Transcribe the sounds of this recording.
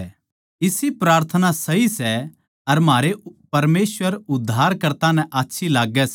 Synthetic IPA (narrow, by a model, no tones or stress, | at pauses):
ɪsipɾaːɾt̪ʰənasɐɦisɛ | ɐɾmɦaːɾepɐɾmeːswəɾʊd̪ʱːaːɾkɐɾt̪ãnɛ̃ʔaːtːʃʰilaːɡɛs